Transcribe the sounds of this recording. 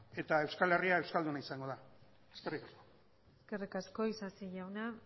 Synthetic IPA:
e̞t̪ae̞wskale̞riae̞wskald̪unaisaŋɡo̞ða | eske̞rikasko̞̥ | eske̞rikasko̞isasiʝawna

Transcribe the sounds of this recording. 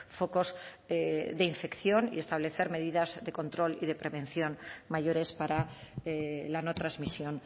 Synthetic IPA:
foko̞s | ðeiɱfe̞kθjo̞nḭe̞st̪aβle̞θe̞ɾme̞ðiðazðe̞ko̞nt̪ɾo̞lḭðepɾe̞βẽ̞nθjo̞nmaʝoɾe̞spaɾa | lano̞t̪ɾazmisjo̞n

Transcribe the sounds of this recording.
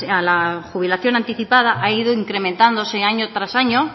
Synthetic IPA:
alaxuβ̞ilaθjo̞nãnt̪iθipað̞aʔaiðoiŋkɾe̞ment̪and̪o̞seaɲot̪ɾasaɲo

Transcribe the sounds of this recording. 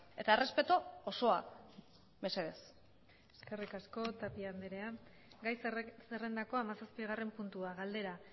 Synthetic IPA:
e̞t̪aere̞spe̞t̪ooso̞a | me̞seðe̞s | e̥ske̞rikasko̞t̪ap̪iand̪eɾea | ɡajsere̞nd̪ako̞amasaspiɣare̞mpunt̪uaɣald̪e̞ɾa

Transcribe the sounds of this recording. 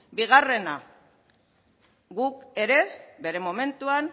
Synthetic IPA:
biɣare̞na | ɣuke̞ɾe̞be̞ɾe̞mo̞me̞nt̪uan

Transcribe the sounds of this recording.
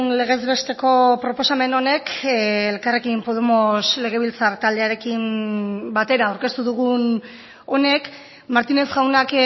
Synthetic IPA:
nle̞ɣ̞e̞zβe̞st̪e̞ko̞pɾo̞po̞same̞no̞ne̞kːlkare̞kimpoðemo̞sle̞ɣ̞e̞β̞ilt͡sart̪ald̪eaɾe̞kimbat̪e̞ɾaːwɾke̞st̪uðuɣun | o̞ne̞k | maɾt̪ine̞sɣawnak

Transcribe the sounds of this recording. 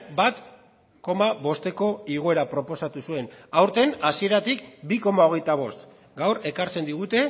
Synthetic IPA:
bat̪ | ko̞maβo̞st̪e̞ko̞iɣ̞oe̞ɾapɾo̞po̞sat̪usue̞nawɾt̪e̞nasie̞ɾat̪ikbiko̞mao̞ɣ̞e̞jt̪aβ̞o̞st̪ | ɡawɾe̞kaɾt͡se̞nd̪iɣ̞ut̪e̞

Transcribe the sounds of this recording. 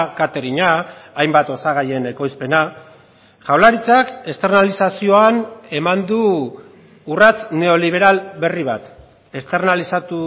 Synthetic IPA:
kat̪e̞ɾiɲaːjmbat̪o̞saɣ̞aje̞ne̞ko̞jspe̞na | ʝawlaɾit͡sake̞st̪e̞ɾnalisasio̞ane̞mand̪uː | rat͡sne̞o̞liβ̞e̞ɾalβe̞riβ̞a̰t̪ | e̞st̪e̞ɾnalisat̪u

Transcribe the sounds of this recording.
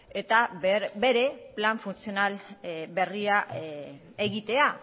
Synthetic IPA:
e̞t̪abe̞ɾe̞plaɱfunsio̞nalβe̞ria | e̞ɣit̪e̞a

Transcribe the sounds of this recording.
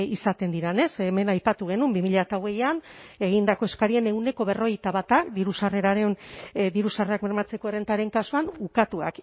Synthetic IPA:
isat̪e̞nd̪iɾane̞seme̞najpat̪uɣ̞e̞numbimiʎat̪awɣe̞jane̞ɣ̞ind̪ako̞e̞skaɾie̞ne̞wne̞ko̞βe̞ro̞ɣ̞ejt̪aβat̪akd̪iɾusare̞ɾaɾe̞nd̪iɾusareakme̞ɾmat͡se̞koerent̪aɾe̞ŋkasuanukat̪ua̰k

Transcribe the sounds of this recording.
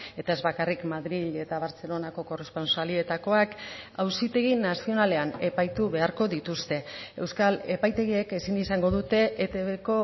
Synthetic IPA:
e̞t̪ae̞zβakarikmaðɾiʎe̞t̪aβ̞aɾt͡se̞lo̞nako̞ko̞re̞spo̞nsalie̞t̪ako̞akawsit̪e̞ɣ̞inasio̞nale̞ane̞pajt̪uβe̞aɾko̞ðit̪ust̪e̞e̞wskale̞pajt̪e̞ɣie̞ke̞sinisaŋɡo̞ð̞ut̪e̞ʔet̪e̞βeko̞

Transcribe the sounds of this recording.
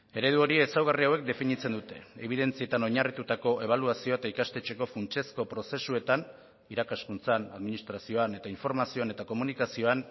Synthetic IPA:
e̞ɾe̞ðuo̞ɾie̞sawɣariawe̞k̚d̪e̞finit͡se̞nd̪ut̪e̞̰eβ̞iðe̞nt͡sie̞t̪ano̞ɲarit̪ut̪ako̞ʔe̞β̞aluasio̞et̪aikast̪e̞t͡ʃe̞ko̞funt͡ʃe̞sko̞pɾo̞se̞sue̞t̪an | iɾakaskunt͡sanaðminist̪ɾasio̞ane̞t̪aiɱfo̞ɾmasio̞ane̞t̪ako̞munikasio̞an

